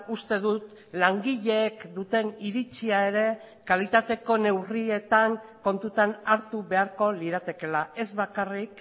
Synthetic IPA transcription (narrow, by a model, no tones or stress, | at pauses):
ust̪e̞ðut̪ | laŋɡiʎe̞ːkd̪ut̪e̞niɾit͡ʃiae̞ɾe̞ | kalit̪at̪e̞ko̞ne̞wrie̞t̪aŋko̞nt̪ut̪anaɾt̪uβe̞aɾko̞liɾat̪e̞ke̞lae̞zβakarik